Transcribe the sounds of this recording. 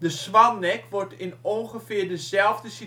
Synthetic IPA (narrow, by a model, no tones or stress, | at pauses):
dəsʋanɛkʋɔrtɪnonxəfɪːrdəzɛlˠvdəsi